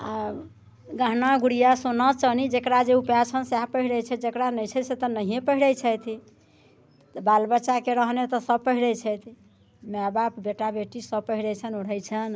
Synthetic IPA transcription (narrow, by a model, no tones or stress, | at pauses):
a | ɡəɦnaɡuɽijasonat͡ʃənid͡ʒekɾad͡ʒeupjat͡ʃʰənsapəɦiɽɛjt͡ʃʰɛd͡ʒekɾanəjt͡ʃʰɛset̪ɔnəɦiepəɦiɽəjt͡ʃʰəjt̪ʰ | balbət͡ʃakeɾəɦnet̪ɔsəb̚pəɦiɽɛjt͡ʃʰɛt̪ʰ | mabapbeʈabeʈisəb̚pəɦiɽɛt͡ʃʰənuɽ̤əjt͡ʃʰən